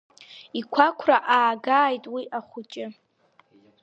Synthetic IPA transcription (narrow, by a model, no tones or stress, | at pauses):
ikʷʰakʷʰraʔaːɡaːjtʼwiʔaχʷʊt͡ʃʼɪ